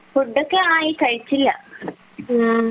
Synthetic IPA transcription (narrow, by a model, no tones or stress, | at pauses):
puɖːokːeaːjikɐɻit͡ɕːilːɐ̰